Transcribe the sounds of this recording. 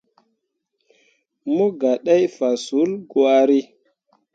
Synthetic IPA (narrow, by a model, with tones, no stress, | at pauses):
mo˦ɡa˨ɗa˦jfa˨su˨˦lɡwa˦ɾi˦